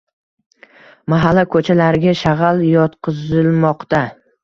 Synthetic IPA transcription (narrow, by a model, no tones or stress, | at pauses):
maɦalːakʰɵt͡ʃʰalaɾɪɡʲaʃaʁaljɒt̪qʰɨzɪlmɒqt̪a